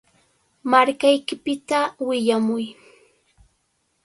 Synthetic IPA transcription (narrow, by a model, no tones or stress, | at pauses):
maɾkajkɪpɪt̪awɪʎamʊj